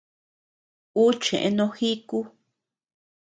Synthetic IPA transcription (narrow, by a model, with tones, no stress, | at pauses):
u˦t͡ʃḛ̃˨ʔḛ̃˧nõ˧xi˦ku˦